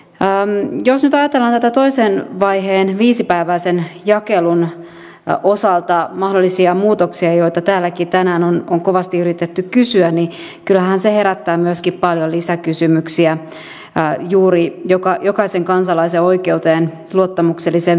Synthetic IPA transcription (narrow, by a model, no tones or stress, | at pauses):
əːjosnyt̪ɑjɑt̪elːɑnt̪æt̪æt̪o̞iseːnʋɑjɦeːnʋiːsipæiʋæisenjɑkelun | ʔosɑlt̪ɑmɑhdolːisiɑmuːt̪oksiɑjo̞it̪ɑt̪æːlːækit̪ænæːnonoŋko̞ʋɑst̪iyɾit̪et̪ːykkysyænni | kylːæɦænsehe̞ɾæt̪ːæːmyøskippɑljolisækysymyksiæ | juːɾijokɑjokɑiseŋkɑnsɑlɑiseoikeut̪eːn | luot̪ːɑmukselːisen